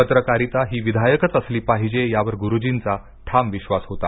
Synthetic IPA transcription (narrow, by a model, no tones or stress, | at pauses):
pət̪ɾəkaɾit̪aɦiːʋid̪ʱajəkət͡səsliːpaɦid͡ʑejaʋəɾɡuɾud͡ʑint͡sa | ʈʰamʋiɕʋasɦot̪a